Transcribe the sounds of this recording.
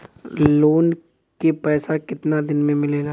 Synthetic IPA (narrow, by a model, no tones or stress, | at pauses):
loːn | kepɛːsakɪt̪nad̪ɪnmẽmɪleːɾa